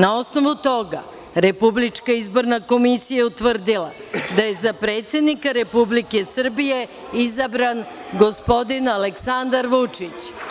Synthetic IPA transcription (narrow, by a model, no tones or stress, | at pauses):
nao̞sno̞ʋut̪o̞ɡa̰ | ɾe̞publit͡ʂkaizbo̞ɾnako̞misijaut̪ʋr̩d̪ila̰ | d̪aje̞zapɾe̞ːt̪sʲe̞d̪nikaɾe̞publike̞sr̩bije̞ | izabɾan | ɡo̞spo̞d̪inaleksand̪aɾʋut͡ʂit͡ɕ